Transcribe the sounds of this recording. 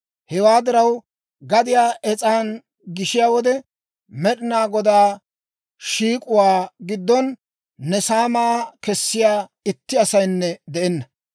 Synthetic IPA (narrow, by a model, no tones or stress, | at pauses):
hɛwaːd̪ɪɾɐw | ɡɐd̪ɪjaːʔɛt͡sʼaːn | ɡɪʃɪjaːwɔd̪ɛ | mɛɗɪnaːɡɔd̪aː | ʃiːkʼʊwaːɡɪd̪ːɔnː | ɛsaːmaːkɛsːɪjaːɪt̪ːɪɐsɐjnːɛd̪ɛɛnːɐ